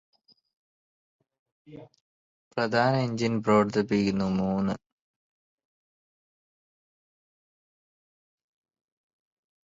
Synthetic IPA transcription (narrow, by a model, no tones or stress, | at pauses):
pɾɐd̪ʱaːnɐeɲd͡ʑinproʋɐrd̪ɐp̬ːiɣunːumuːnɨ